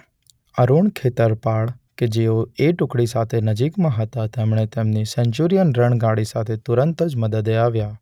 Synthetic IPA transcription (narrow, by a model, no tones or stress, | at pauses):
əɾuɳkʰet̪əɾpaɭked͡ʒeoeʈʊkɽisat̪ʰenəd͡ʒikmãɦət̪at̪emɳ̃et̪emnisɛ̃ɲt͡ʃuɾijənɾəɳɡaɽisat̪ʰet̪ʊɾənt̪əd͡ʒməd̪əd̪eaʋja